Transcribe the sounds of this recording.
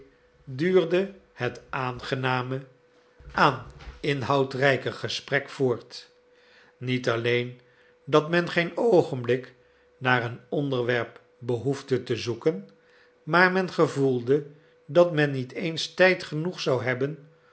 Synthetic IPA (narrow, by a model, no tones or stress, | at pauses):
dyːɹdəhətʔaːnχənaːmə | aːnɪnɦɑwtrɛjkəχəsprɛkfʊːɹt | nitɑlejn | dɑtmɛnχejnowχənblɪk | naːɹənɔndəɹʋɛɹp | bəɦuvdətəzukən | maːɹmɛnχəvulˠdə | dɑtmɛnːitejnstɛjtχənuχsɑwɦɛbən